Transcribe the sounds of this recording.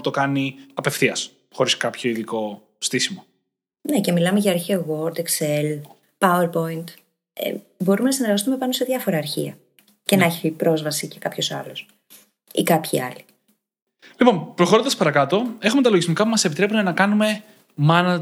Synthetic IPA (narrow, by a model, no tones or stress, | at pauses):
t̪o̞kɐniɐpe̞fθiɐs | xo̞ɾiskɐpço̞iliko̞ | st̪isimo | ne̞ce̞milɐmeʝɐːɾçiɐɣoɾt̪eksel | pɐueɾpo̞int̪ | ḛ | bo̞ɾumenɐsine̞ɾɣɐst̪ume̞pɐno̞se̞ðʝɐfo̞ɾɐːɾçḭɐ̰ | ce̞nɐeçipɾo̞zvɐsicekɐpço̞sɐlo̞s | ikɐpçḭɐ̰li | lipo̞npɾo̞xoɾond̪ɐspɐɾɐkɐt̪o̞e̞xumet̪ɐlo̞ʝizmikɐpumɐsepit̪ɾe̞punenɐkɐnume̞ | mɐnɐ